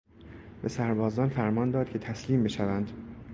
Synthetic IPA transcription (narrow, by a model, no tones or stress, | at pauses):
be̞sæɾbɒːzɒːnfæɾmɒːnd̪ɒːd̪̚cʰe̞t̪ʰæsliːmbe̞ʃævænd̪